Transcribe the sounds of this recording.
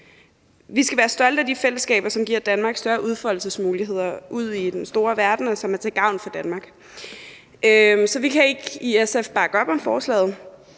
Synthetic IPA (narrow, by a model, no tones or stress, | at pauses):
ʋisɡ̥æʋæːɐsd̥ɒ̽l̰d̥əæd̥ifel̰əsɡ̥ɛ̰ːb̥ɐsɒ̽mɡ̥iɐ̰d̥ænmɑ̈ːɡ̥sd̥ɶɐʔuð̞ˠfɒ̽lsəsmuːliɦe̝ð̞̰ˠɐʔuð̞̰ˠid̥ensd̥o̝ːɐʋæɐd̥n̩ɒ̽sɒ̽mæɐt͡sʰeɡ̥ɑ̈ʊnfɒ̽d̥ænmɑ̈ːɡ̥ | ʔømsɒ̽ʋikʰæe̝ɡ̥iesefb̥ɑ̈ːɡ̥əɒ̽b̥ɒ̽mfɒːslɛ̰ːð̞̩ˠ